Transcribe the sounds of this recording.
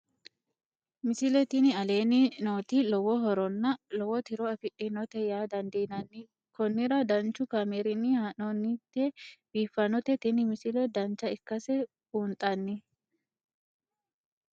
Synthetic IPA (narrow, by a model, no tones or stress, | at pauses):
mɪsɪlɛt̪ɪnɪɐle̞ːnɪnoːt̪ilɔwɔɦɔɾɔnːɐlɔwɔt̪ɪɾɔɐfɪʔɪnɔt̪ɛjaːd̪ɐnd̪ɛnɐnːɪ | kɔnːɪɾɐd̪ɐnt͡ʃːʊkameɾɪnːɪhanɔnːɪt̪ːɛb̥iːfːɐnɔt̪ɛt̪ɪnɪmɪsɪlɛd̪ɐnt͡ʃːɐɪkːɐsɛ | uːnt̪ʼɐnːɪ